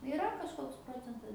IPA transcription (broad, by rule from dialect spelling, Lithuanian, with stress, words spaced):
ɪˈrɐ kɐʃˈkoːks ˈproːt͡sʲɛntɐs